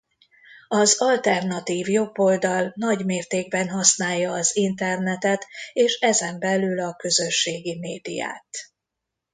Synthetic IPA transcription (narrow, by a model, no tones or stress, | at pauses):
ɒzɒlt̪ɛrnɒt̪iːvjo̞bːo̞ld̪ɒlnɒɟmeːrt̪eːɡbɛnɦɒsnaːjːɒːzint̪ɛrnɛt̪ɛt̪eːʃɛzɛmbɛlylɒkø̞zøʃːeːɡimeːd̪ḭja̰ːt̪